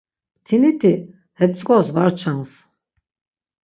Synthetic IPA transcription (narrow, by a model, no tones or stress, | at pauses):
t̪ʰinit̪ʰi | hɛp̚t͡sʼɡʼɔsvaɾt͡ʃʰans